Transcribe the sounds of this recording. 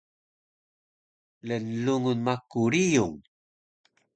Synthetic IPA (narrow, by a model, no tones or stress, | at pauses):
lənːuŋunmakuɾijuŋ